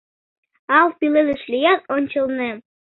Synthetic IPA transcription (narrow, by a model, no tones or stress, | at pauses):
ɑlˠpilelɘ̆ʃlʲijɑt̪̚onʲt͡ɕɤ̆lnĕ